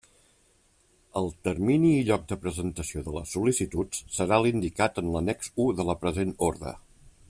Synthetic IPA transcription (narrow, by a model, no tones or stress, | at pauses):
əlˠt̪ərminiːʎɔk̚d̪əpɾəzənt̪əsioðələ̰sulisit̪utssəɾalind̪ikat̪ənlənɛkzuðələpɾəzenoɾðə̰